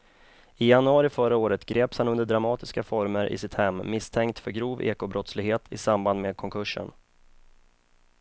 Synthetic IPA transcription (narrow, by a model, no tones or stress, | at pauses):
ɪjanɵɑːɾɪfœɾəoːɾət̪ɡɾeːpshanɵnd̪əɖɾamɑːt̪ɪskafɔɾməɾʔɪ̰sɪt̪hɛmːɪst̪ʰɛŋkt̪fœɾɡɾuːvḛːkʊbɾɔt̪slɪɡheːt̪ʰɪsamband̪meːd̪̚kʰɔŋkʰɵʂːə̰n